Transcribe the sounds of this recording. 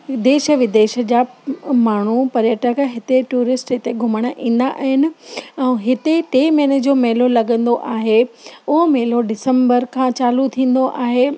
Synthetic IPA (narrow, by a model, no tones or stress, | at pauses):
d̪eːʃəʋɪd̪eːʃə̆d͡ʑaːmaːɳ̤upɐɾjəʈəkɦɪt̪eʈuːɾɪsʈɦɪt̪eɡʱʊməɽ̃aʔĩːn̆d̪aʔaːɦɪnɪ̆ɛ̃ɦɪt̪et̪emɛːnəd͡ʑoːmeːlolɐɡə̃nd̪oʔaːɦeʊɦomeːloɖɪsə̃mbəɾkʰãt͡ɕaːlut̪ʰĩːn̆d̪oʔaːɦe